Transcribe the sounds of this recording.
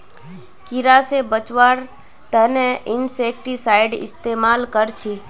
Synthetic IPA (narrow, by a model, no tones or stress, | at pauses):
kiɾasebət͡ʃwaːɾ | t̪əneʔɪnsekʈisaːɪɖɪ̰st̪eːmaːlkəɾt͡ʃʰi